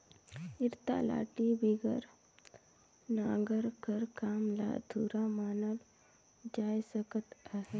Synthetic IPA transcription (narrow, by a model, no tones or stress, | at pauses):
ɪɾt̪a̰la̰ːʈibiɡəɾ | naːɡəɾkəɾkaːmla̰ːd̪ʱuːɾamaːnəl | d͡ʒaːjsəkət̪aɦe